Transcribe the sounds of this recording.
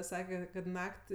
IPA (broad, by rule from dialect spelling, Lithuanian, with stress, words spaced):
ˈsɑːkʲɛ kɐt ˈnɐkʲtʲ